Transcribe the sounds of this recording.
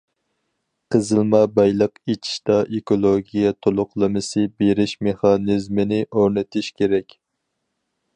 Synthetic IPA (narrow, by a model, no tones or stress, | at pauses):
qʰəzɨlˠmɑbɑjlˠəqet͡ʃʰi̥ʃt̪ɑʔekolˠoɡʲijɛt̪ʰolˠʊqlˠɨmɨsɨbeɾɪʃmeχɑnɨzmɪnɪʔoɾnɪt̪ʰɪʃkʲʰeɾɛkʲ